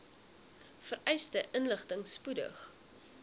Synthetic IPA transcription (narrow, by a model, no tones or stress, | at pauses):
fərʔɛjstəʔənləχtəŋspudə̰χ